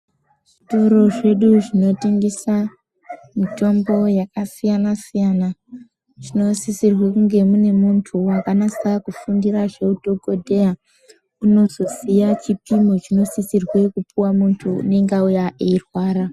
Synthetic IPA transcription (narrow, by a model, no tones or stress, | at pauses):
ʐito̞ɾo̞ʐe̞ɗuʐino̞tiŋɡisa | mito̞mbo̞jakasijanasijana | ʐ̥ino̞sisirwe̞kuŋɡe̞mune̞muntʰuwakanasakufundiraʐe̞uto̞ɡo̞dʱe̞a | uno̞zo̞sijat͡ʃipimot͡ʃino̞sisirwe̞kupuwamuntʰṵːne̞ŋɡaujaʔeirwaːɾa